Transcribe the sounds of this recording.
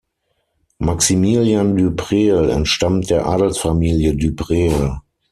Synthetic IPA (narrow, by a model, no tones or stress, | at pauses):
maksimiːljandypʁeːlɛ̰ntʃtamt̚d̥eːɐʔa̰ːdl̩tsfamiːljədybʁeːl